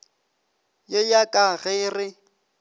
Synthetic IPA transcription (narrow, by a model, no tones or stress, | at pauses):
jejakʼaɣɪrɪ